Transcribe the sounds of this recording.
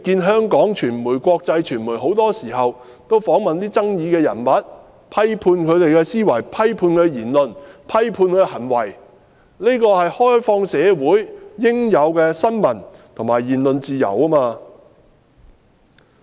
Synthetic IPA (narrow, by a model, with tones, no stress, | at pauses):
kiː˧nɦœː˥ŋkɔː˨˥ŋt͡ʃʰyː˨˩nmuː˨˩jkʷɔː˧k̚t͡sɐ˧jt͡ʃʰyː˨˩nmuː˨˩jɦo˨˥wt̪ɔː˥siː˨˩ɦɐ˨w | t̪o˥wfɔː˨˥ŋmɐ˨nt̪iː˥t͡sɐ˥ŋjiː˨˧kɛː˧jɐ̰˨˩nmɐ˨˥t̚ | pʰɐ˥jpʰuː˧nkʰɵ˨˧ɥt̪e˨jkɛː˧siː˥wɐ˨˩jpʰɐ˥jpʰuː˧nkɛː˧jiː˨˩nlɵ˨npʰɐ˥jpʰuː˧nkːhɐ˨˩nwɐ˨˩j | ne˥kɔː˧hɐ˨jhɔː˥jfɔː˧ŋsɛː˨˧wuː˨˥jjɪ˥ŋjɐ˨˧wkɛː˧sɐ˥nmɐ˨˩nt̪ʰʊ˨˩ŋmaː˨jiː˨˩nlɵ˨nt͡siː˨jɐ̰˨˩waː˥maː˧